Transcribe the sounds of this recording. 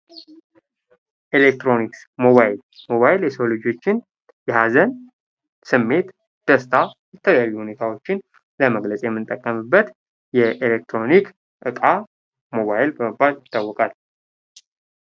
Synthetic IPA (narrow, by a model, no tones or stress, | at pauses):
ʔelek̚t̪ɾo̞niks | mo̞βajɪlmo̞βajɪljɛsəlod͡ʒo̞t͡ʃːɪn | jɛhazən | sɨmːe̞t̪ | d̪̥əst̪ʰajɛt̪ʰələjajːuhune̞t̪ʰawo̞t͡ʃːɪn | ləməɡləsʼejɛmːɨnt̪ʼːəkʼːəmɨbːət̪ | jɛʔelek̚t̪ɾo̞nik | ʔɨkʼa | mo̞βajɪlbəmɨbːaljɪt̪ʰːawːɔkʼal